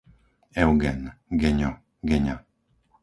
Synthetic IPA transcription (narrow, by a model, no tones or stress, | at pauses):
ewɡɛnɡeɲo | ɡeɲa